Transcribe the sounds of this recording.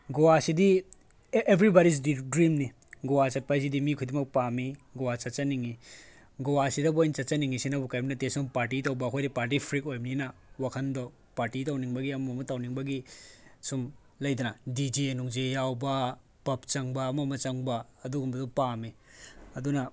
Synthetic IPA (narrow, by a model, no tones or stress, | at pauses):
ɡowasidi | ʔebʰʱɾibaɾis̬didɾimni | ɡowat͡ʃɐt̚pajs̬idimikʰujdimɐk̚pamiɡowat͡ʃɐt̚t͡ʃɐniŋi | ɡowasidɐbojnt͡ʃɐt̚t͡ʃɐniŋisinɐbukajbɐnɐtesumpaɾt̬itɐwbɐkʰojdipaɾt̬ipʰɾik̚ojmninɐwakʰɐndɔ | paɾtitawniŋbɐɡiɐmɐmɐmɐtawniŋbɐɡisum | lɐjdɐnɐdid͡ʒinuŋd͡ʒejawbɐ | pɐp̚t͡ʃɐŋbɐːmɐmɐt͡ʃɐŋbɐːduɡumbɐdɔpamiɐdunɐ